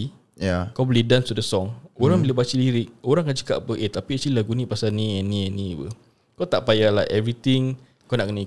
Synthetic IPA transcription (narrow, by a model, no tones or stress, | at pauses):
jakawbəlidanst̪udəsɔŋoɾaŋbiləbat͡ʃəliɾɪk̚oɾaŋkat͡ʃə̥ka̰ʔpəʔet̪apiat͡ʃililaɡunĩpasanĩɛnĩanĩpə̰ | kawt̪aʔpajala̰ʔɛvɾit̪iŋ | kanaʔkənəi